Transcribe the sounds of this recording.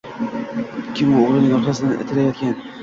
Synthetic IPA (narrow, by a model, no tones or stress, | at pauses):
kʲʰɪmʊoʁlˠɪnɪŋɒɾχasɪd̪ɪʔɪ̰t̪ʰɪlajɒt̪̚kʲan